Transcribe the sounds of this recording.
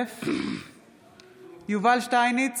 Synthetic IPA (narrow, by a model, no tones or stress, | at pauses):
f | juvalʃʈajnit͡s